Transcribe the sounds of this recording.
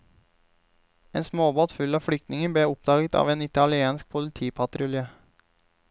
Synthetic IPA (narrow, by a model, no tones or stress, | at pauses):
eːnsmoːbɑːt̪fʉlɑːfɽʏk̚t̪nɪŋəbɽeːʊp̚d̪ɑːɡət̪ɑ̰ːʋeːnɪt̪ɑlɪeːnsk̚pʰʊlɪt̪ʰiːpʰɑt̪ɾʊleː